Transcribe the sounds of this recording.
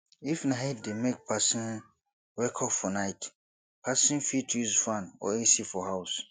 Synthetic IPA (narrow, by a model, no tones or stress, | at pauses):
ifnãɦet̚demek̚pʰasĩn | wɛkʰɔkfɔnaɪt | pʰasĩnfitʰusfãnɔ̰esifɔhaws